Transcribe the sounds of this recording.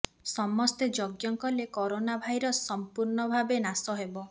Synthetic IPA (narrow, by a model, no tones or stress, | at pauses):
sɔmɔst̪ed͡ʒoɡjɔŋkɔlekɔɾonabʱajɾɔsːɔmpuɾnɔbʱabenasɔɦebɔ